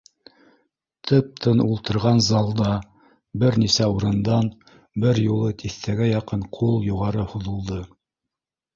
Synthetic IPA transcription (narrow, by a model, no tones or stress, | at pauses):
t̪ʰɤp̚t̪ʰɤnulˠt̪ɤ̆ɾʁɑnzɑlˠd̪ɑ | bɘɾnisæuɾɤ̆nd̪ɑn | bɘɾjulˠɤt̪ʰiθt̪æɡæjɑqɤɴqʰulˠjuʁɑɾɤhuðɤ̆lˠd̪ɤ